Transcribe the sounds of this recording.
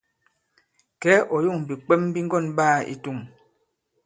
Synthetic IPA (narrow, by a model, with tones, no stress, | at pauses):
kɛ˨˦ʔɔ˨ju˦˨ŋ˨bi˨k͡pɛ˦m˦bi˦ŋ˦ɡɔ˦˨nɓaː˦˨ḭ˨tu˦˨ŋ